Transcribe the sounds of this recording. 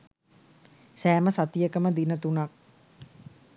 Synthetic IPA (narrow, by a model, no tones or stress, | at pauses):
sæːməsat̪ijəkəməd̪inət̪unak̚